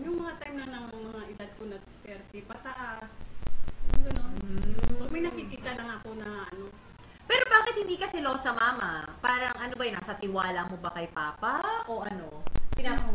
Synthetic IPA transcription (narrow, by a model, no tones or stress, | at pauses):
jʊŋmɐŋat̪ajmnɐŋnɐŋmɐŋaʔɪd̪ad̪̚konɐ | t̪ɛɾt̪ɛpɐt̪ɐʔas | ɡɐnon | mɐjnɐkikiːt̪ɐlɐŋɐko̞nɐʔɐno̞ | pɛːɾo̞baːkɪt̪̚hɪnd̪iːkɐsɛlosɐmaːmɐpaːɾɐŋʔɐnobɐjna̰ːsɐt̪ɪwaːlɐmo̞bɐkɐjpaːpɐʔo̞ʔɐno̞pɪna